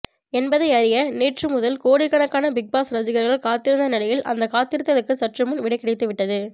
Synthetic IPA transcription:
ɛnbɐðɐɪɐɾɪjɐneːʈrɯmʊðɐlkoːɽɪkːɐɳɐkːaːnɐbɪk̚baːsɾɐsɪɣɐɾɣɐɭkaːt̪ːɪɾɯnd̪ɐnɪlɐjɪlʔɐ̰nd̪ɐkaːt̪ːɪɾɯt̪ːɐðɐkːɯsɐʈrɯmɯnʋɪɽɐɪkːɐɽɐɪt̪ːɯʋɪʈːɐðɯ

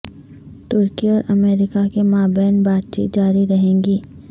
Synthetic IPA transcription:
ʈʊɾkiɔːɾʔɐmeːɾɪkakemaːbɛːnbaːd̪̚t͡ʃḭːt̪̚d͡ʒaːɾiɾɐɦẽːŋɡiː

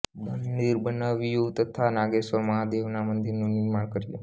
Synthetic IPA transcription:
mənd̪iɾbənaʋjut̪ət̪ʰanaɡesəmãd̪eʋnamənd̪iɾnũnɪɾmaɳkəɾjṵ

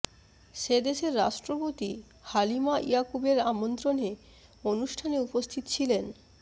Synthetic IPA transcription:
ʃed̪eʃeɾːa̰ʃʈɾopot̪i | halimaʔiakubeɾamont̪ɾone | onuʃʈʰaneupost̪ʰit̪ot͡ɕʰilen

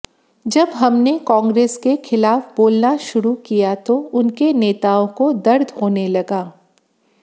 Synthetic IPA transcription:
d͡ʒɐbɦɐmnekãːŋɡɾeːskexʰɪlaːfboːlnaʃʊɾukijat̪oʊnkeneːt̪aːõkod̪ɐɾd̪ʱɦoːnelɐɡaː

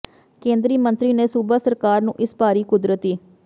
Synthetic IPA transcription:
kẽːnd̪ɾiːmənt̪ɾiːneːsubaːsəɾkaːɾnũːʔɪspaːɾiːkʊd̪ɾət̪iː

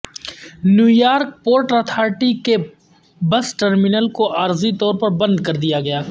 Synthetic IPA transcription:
njuːjaːɾk̚poːɾʈɐt̪ʰaːɾʈike | bɐsʈəɾmɪnəlkoʔaːɾzit̪ɔːɾpɐɾbɐ̃nd̪̚kɐɾd̪ijaɡɐjaː

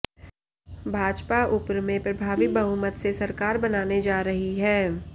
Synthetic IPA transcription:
bʱaːd͡ʒpaʔʊpɾmẽpɾɐbʱaːʋɪk̚bɐɦʊməd̪sesɐɾkaːɾbɐnaːned͡ʒaːɾɐɦiɦɛː

